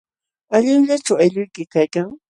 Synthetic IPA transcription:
aʎɪŋʎat͡ʃawajʎʊjkɪkajkaŋ

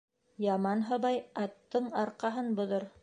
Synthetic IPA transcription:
jɑmɑnɦɤ̆βɑjɑt̪ːɤɴɑɾqɑɦɤnbŏðoɾ

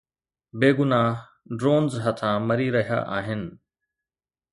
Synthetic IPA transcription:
beːɡʊnaːɦ | ɖɾoːnzɦɐt̪ʰãːmɐɾiɾɐɦija̰ːʔaːɦɪnɪ̆

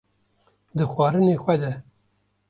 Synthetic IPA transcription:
d̪əxwɑːɾɨneːxʷɛd̪ɛ

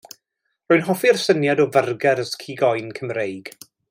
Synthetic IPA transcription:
rɔɨnɦɔfirsənjadɔvərɡɛɾəskʰiɡɔjnkʰəmrejɡ̥

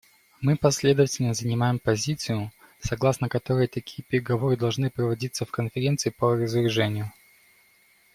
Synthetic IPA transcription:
mɨpɐsʲlʲe̞d̪əvətʲɪlʲnəzənʲɪmajɪmpɐzʲit̪sɨjʊ | sɐɡlˠasnəkɐt̪o̞ɾəjt̪ɐkʲʰi̥jəpʲɪɾʲɪɡɐvo̞ɾɨd̪ɐlˠʐnɨpɾəvɐdʲit̪səfkənfʲɪɾʲent̪sɨɪpərəzvʲɪɾʲɪʐɛnʲɪjʊ

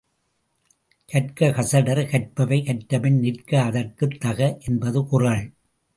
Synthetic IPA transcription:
kɐʈkɐkɐsɐɽɐɾkɐʈ̚pɐʋɐɪkɐʈʈːɐmɪnnɪrkɐːðɐrkɯt̪ːɐɣɐʔɛnbɐðɯkʊrɐɭ

